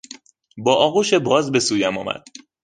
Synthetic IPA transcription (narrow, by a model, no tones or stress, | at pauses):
bɒːʔɒːɣuːʃebɒːzbe̞suːjæmɒ̰ːmæ̰d̪̥̚